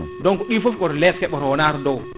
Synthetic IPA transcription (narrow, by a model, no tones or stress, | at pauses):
dɔnkɔɗifofkɔɾlɛtkɛɓɔɾwɔnaːɾdɔw